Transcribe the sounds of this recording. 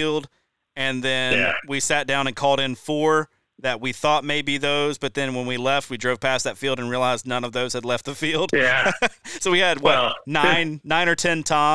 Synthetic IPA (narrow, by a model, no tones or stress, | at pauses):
lˠd | ɨ̃nðɨ̃jnwisæt̚d̥ãʊ̃ñɨ̃nkʰɔlˠɾɨ̃nfə˞ | ðɨt̚wiθɔt̚meɪbiðoʊzbʌt̪̚ðɨ̃nwə̃nwilɛft̚widɹoʊv̥pʰæsðɨtfilˠdɨ̃nɹiəlaɪzdⁿnʌ̃nʌvðoʊz̥ɨdˡlɛft̪̚ðɨfilˠd̥jæsoʊwiɨd̚wʌnãɪ̃nːãɪ̃ñə˞tʰɛ̃ntʰã